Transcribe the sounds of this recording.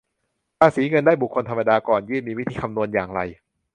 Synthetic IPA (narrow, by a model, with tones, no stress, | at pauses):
paː˧siː˩˦ŋɤ˧ndaː˥˩jbu˨˩kʰːo˧nt̪ʰmːa˧daː˧kɔː˨˩njɯː˥˩nmiː˧wi˦˥t̪ʰiː˧kʰa˧mnu˧ənjaː˨˩ŋɾa̰˧j